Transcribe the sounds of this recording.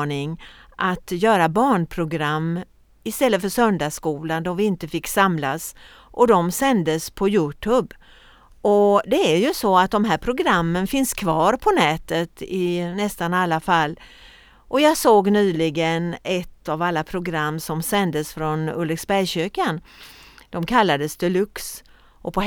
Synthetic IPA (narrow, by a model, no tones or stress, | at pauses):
ɳɪŋʔat̪jœːɾabɑːɳpʰɾʊɡɾamː | ɪst̪ɛlːəfœʂœnd̪aʂkuːland̪ɔvɪɪnt̪əfɪkːsamlas | ʔɔd̪ɔmsɛnd̪əspʰɔjʉːʈʰɵb | ʔɔd̪ɛæɾjɵsɔat̪̚d̪ɔmɦæːɾpʰɾʊɡɾamːənfɪnskʰvɑːɾpʰɔnɛːt̪ət̪ɪnɛst̪analːafalː | ʔɔjɑːɡsoːɡnyːlɪɡənɛt̪ːavalːapʰɾʊɡɾamːsɔmsɛnd̪əsfɾɔnɵ̰lːɛksbæɾjɕøːkand̪̥ɔmkʰalːad̪əsd̪ɛlɵks | ʔɔpʰɔ